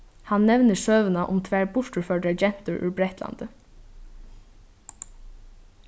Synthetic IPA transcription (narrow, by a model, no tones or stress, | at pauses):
hanːɛʋnɪsœːʋənaʔʊ̰mt̪ʰʋæːɹbʊʂʈʊɹfœʈad͡ʒɛn̥t̪ʊɹʔʉ̰ɹbɾɛht̪la̰nd̪ə